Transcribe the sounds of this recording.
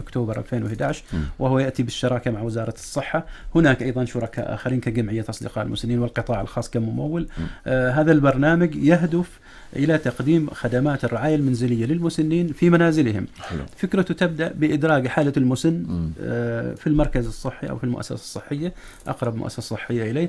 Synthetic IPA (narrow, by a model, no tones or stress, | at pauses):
ʔʊkt̪oːbɑɾˤʔa̰lfeːnwɪħd̪aʕʃwʔɪhʊwajaʔt̪ibɪʃːɑɾˤɑːkamaʕwɪzɑːɾˤɑsˤːɨħːahʊnaːkʔɑjðˤɑnʃʊɾˤɑka̰ːʔa̰ːxaɾiːnkaɡamʕɪjːat̪ɑsˤd̪ɪ̰qɑːʔlmʊsɪnːiːnwɪlqɨt̪ˤɑːʕɪ̰lxɑːsˤːkamːʊmawːɪlɦaːðalbɑɾˤnaːmad͡ʒjaɦd̪ʊf | ʔɪlat̪ɑqd̪iːmxad̪amaːt̪ɪrˤːɪʕaːjalmanzɪlɪjːalɪlmʊsɪnːiːnfimanaːzɪlɪhɪ̰mfɪkɾat̪ʊt̪ab̚d̪aʔbɪʔɪd̪ɾˤɑːɡħaːlalmʊsanː | filmɑɾˤkazɨsˤːɨħːiʔa̰wfilmʊ̰ʔa̰sːa̰sasˤːɨħːɪjːa | ʔɑ̰qɾˤɑbmʊ̰ʔa̰sːssˤːɨħːɪjːaʔɪleː